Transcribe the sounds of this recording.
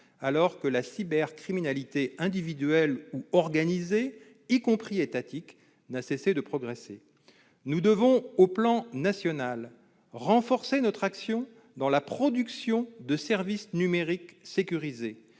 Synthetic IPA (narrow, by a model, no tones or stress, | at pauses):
alɔʁkəlasibɛʁkχiminalit̪eɛ̃d̪ivid̪ɥɛluɔʁɡanize | ikɔ̃pχiet̪at̪ik | nasesed̪əpχɔɡʁese | nud̪əvɔ̃oplɑ̃nasjɔnal | ʁɑ̃fɔʁsenɔt̪χaksjɔ̃ | d̪ɑ̃lapχɔd̪yksjɔ̃d̪əsɛʁvisnymeʁiksekʲyʁize